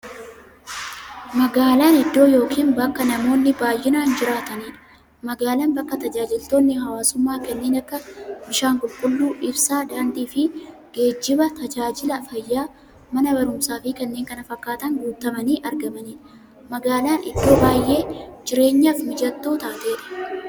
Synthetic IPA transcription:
mɐɡaːlaːnɪd̪ːo̞ːjo̞ːkʰiːnbɐkːɐnɐmo̞ːnːɪbaːjːɪnaːnd͡ʒɪɾaːt̪ɐniːᶑɐ̥ | mɐɡaːlanbɐkːɐt̪ɐd͡ʒaːd͡ʒɪlt̪o̞ːnːɪɦɐwaːsʊmːaːkɐnːe̞ːnɐkːɐbɪʃaːŋkʼʊlkʼʊlːuːʔɪbsaːd̪aːnd̪iːfɪ | ɡ̥e̞ːd͡ʒːɪbɐt̪ɐd͡ʒaːd͡ʒɪlɐfɐjːaː | mɐnɐbɐɾʊmsaːfɪkɐnːe̞ːŋkɐnɐfɐkːaːt̪ɐŋɡuːt̪ːɐmɐniːʔɐɾɡɐmɐniːᶑɐ | mɐɡaːlaːnʔɪd̪ːo̞ːbaːjːʔe̞ːd͡ʒɪɾe̞ːɲːafmɪd͡ʒɐt̪ːo̞ːt̪aːt̪e̞ːᶑɐ̥

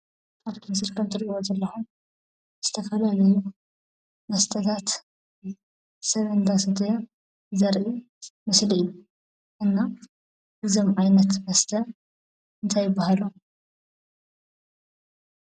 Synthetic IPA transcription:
aβt̪ʰɨmsɨɾkʰɐmt̪ʰɨɾʔiwozɐlːɐxum | z̥ɨ̥t̪ʰɐfɐlalɐlu | mɐst̪ʰʼɐt̪ʰat̪ | sɐβʔɨnd̪asɐt̪ʰɐj | zɐɾʔi | mɐsliijːu | ʔɨnːa | hɨzomʕajnɐt̪mɐst̪ʰʼɐ | ɨnt̪ʰajɪbːahalu

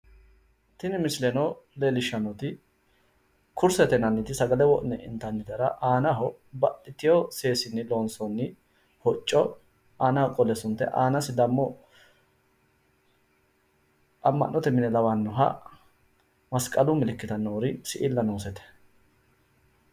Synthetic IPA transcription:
t̪ɪnɪmɪslɛnɔlelɪʃːɐnɔt̪ɪ | kʰʊɾsɛt̪ɛnɐnːɪt̪ɪsɐɡɐlɛwɔʔnɛʔɪ̰nt̪ɐnːɪt̪ɐɾɐʔaːnɐɦɔ | bɐʔɪt̪ːɪjɔseːsɪnːɪloːnsɔnːɪ | hɔt͡ʃʼːɔ | aːnɐhɔkʼɔlɛsʊnt̪ːɛ̰ʔaːnɐsɪd̪ɐmːɔ | ɐmːɐ̰nːɔt̪ɛmɪnɛlɐwɐnːʊɦɐ̰ | mɐskʼɐlʊmɪlɪkːɪt̪ɐnːoːɾɪsɪʔɪlːɐnuːsɛt̪ɛ̥

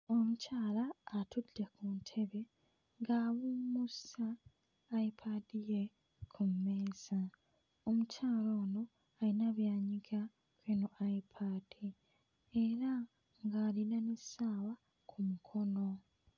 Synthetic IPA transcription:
o̞mucaːlaːtʰudekuntʰe̞βe̞ | ŋɡaːβumusaː | ipʰadije | kʰumːe̞ːz̥a | omucaːlo̞ːno̞ | ainaβjaːɲiɡa | kwenoʔaipʰad̥i | eɾa | ŋɡaːlinanesaːwa | kʰumukʰo̞no̞

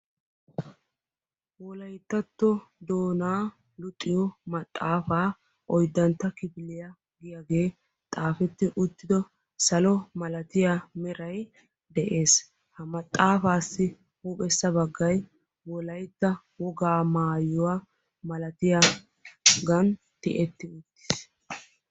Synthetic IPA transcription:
wɔlɐjt̪ːɐt̪ːɔd̪oːnaː | lʊt̪ʼːɪjɔmɐt̪ʼːaːfaː | ʔɔjd̪ːɐnt̪ːɐkɪbɪlɪjɐ | ɡɪjaɡe̞ː | t̪ʼaːfɛt̪ːɪʔʊt̪ːɪd̪ɔ | sɐlɔmɐlɐt̪ɪjamɛɾɐj | d̪ɛʔe̞ːs | hɐmɐt̪ʼːaːfaːsːɪ | hupʼɛsːɐbɐɡːɐj | wɔlɐjt̪ːɐ | wɔɡaːmaːjːɔwa | mɐlɐt̪ɪja | ɡɐn | t̪ɪʔɛt̪ːɪʊt̪ːɪ̥s

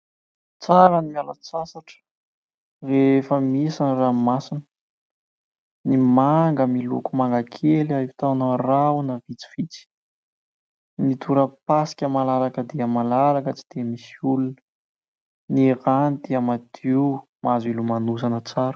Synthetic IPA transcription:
t͡saɾanimialat͡sasaʈ͡ʂə̥ | refəmisanramasinə | nimaŋɡəmilṵkumaŋɡakʰelaivit̪anərawnavit͡si̥fit͡si̥ | nit̪ʰuɾəpasi̥kʲəmalaɾakəd̪eəmalaɾakət͡si̥d̪̥emisiulunə̥ | niranid̪̥iamad̪ʰiu | mazilumanusanət͡saɾu̥

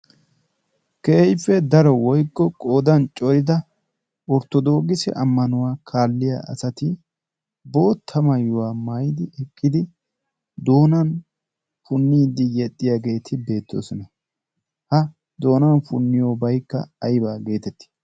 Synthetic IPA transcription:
keːɪpːɛd̪ɐɾɔwɔjkʼːɔkʼo̞ːd̪ɐnt͡ʃʼɔɾɪd̪ɐ | ɔɾt̪ːɔd̪o̞ːɡɪsɛ̰ʔɐmːɐnʊwaːkʰaːlːɪja̰ːʔɐ̰sɐt̪ɪ | bo̞ːt̪ʰːɐmɐjːʊwaːmɐjd̪ɪʔɛkʼːɪd̪ɪ | d̪o̞ːnɐn | fʊnːiːd̪ɪjɛt̪ʼːɪjaːɡe̞ːt̪ʰɪbe̞ːt̪ːo̰ːsɔnɐ | hɐ | d̪o̞ːnɐnfʊnːɪjoːbɐjkːɐ̰ɐjbaːɡe̞ːt̪ɛt̪ːɪ̥

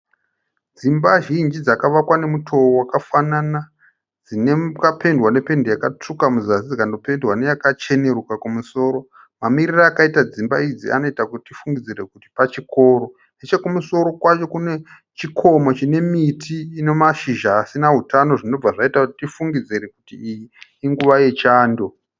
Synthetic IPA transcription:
d͡zimbaʒind͡ʒid͡zakaʋakwane̞mutʰo̞owakafanana | d͡zinekape̞ndwane̞pe̞ndejakat͡ʂukamuzasid͡zakando̞pe̞ndwane̞jakat͡ʃe̞ne̞rukakumuso̞ːɾo̞ | mamiriraakaitad͡zimbaid͡ziʔa̰no̞itakutitifuŋɡid͡zire̞kuti̥pat͡ʃiko̞ːɾo̞ | net͡ʃekumuso̞ɾo̞kwat͡ʃo̞kune̞ | t͡ʃikʰo̞mo̞t͡ʃine̞mitʰiːne̞maʃiʒaːsinaɦutano̞ʐinob͡vaʐaitakuti̥tifuŋɡid͡ziɾekutḭːjiːŋɡuʋaje̞t͡ʃaːndo̞

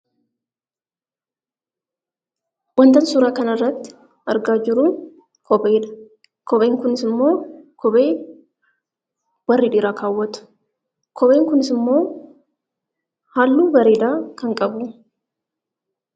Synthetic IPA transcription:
wɐnt̪ɐnsʊɾaːkɐnɐrːɐt̪ːɪ̥ | ɐɾɡaːd͡ʒɪɾʊ | kʰɔbeːdɐ̥ | kɔbeːŋkʊnɪsɪmːo̞ːkɔbe̞ː | wɐrːiːᶑ̪ɪɾaːkʰaːwːɐt̪ʊ̥ | kʰɔbeːŋkʊnɪsɪmːo̞ː | haːlːuːbɐɾeːd̪aːkɐŋkʼɐbʊ

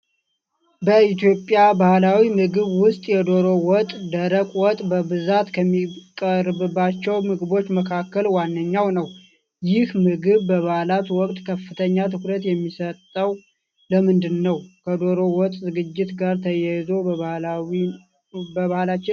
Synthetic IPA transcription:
bəit̪jo̞pʼjabahlawimɨɡɨβwʊst̪ʼjɛd̪o̞ɾo̞wɔt̪ʼd̪əɾəkʷʼwɔt̪ʼbəbɨzat̪kʰəmːikʼəɾbɨbːat͡ʃːɛwmɨɡɨbo̞t͡ʃːməkʰakːəlwanːəɲːawnəw | jɪhmɨɡɨβbəβahlat̪wɔkʼt̪ʼkʰəfːɨt̪ʰəɲːat̪ʰɨkɾət̪jɛmːisət̪ʼːəw | ləmɨnd̪ɨnːəwkʰəd̪o̞ɾo̞wɔt̪ʼzɨɡɨd͡ʒːɪt̪ɡaɾt̪ʰəjɛjzo̞bəβ | bəβahlat͡ʃːɪ

